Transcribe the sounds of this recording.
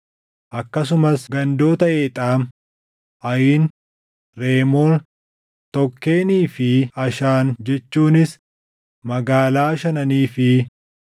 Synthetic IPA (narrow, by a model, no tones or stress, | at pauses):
ʔɐkːɐs̬ʊmɐsɡɐnd̪o̞ːt̪ɐʔeːt̪ʼaːm | ʔɐjiːn | ɾe̞ːmoːn | t̪ɔkːe̞ːniːfɪɐʃaːnd͡ʒɛt͡ʃːuːnɪs | mɐɡaːlaːʃɐnɐniːfɪ